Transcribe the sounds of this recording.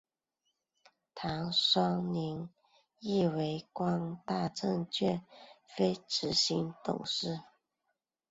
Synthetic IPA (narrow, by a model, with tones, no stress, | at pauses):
t̪ʰa˧˥˦ŋʂɑ˥ŋni˧˥ŋ | i˥˩we˧˥ɪkwɑ˥ŋt̪a˥˧ʈ͡ʂɤ˥˧ŋt͡ɕʰɥɛ˥˩fe˥ɪʈ͡ʂɻ̩˧˥˦ɕi˧˥ŋt̪ʊ̰˨˩ŋʂɻ̩˥˩